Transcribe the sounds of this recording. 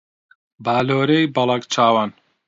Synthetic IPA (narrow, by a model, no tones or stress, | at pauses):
baːloːɾejbɐlˠɐkt͡ʃʰaːwan